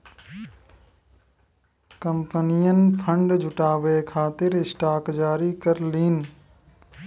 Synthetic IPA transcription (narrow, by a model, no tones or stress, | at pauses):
kəmpənijənpʰəɳɖd͡ʒʱʊʈaːʋeːkʰaːt̪ɪɾɪsʈaːkd͡ʒaːɾiːkəɾliːn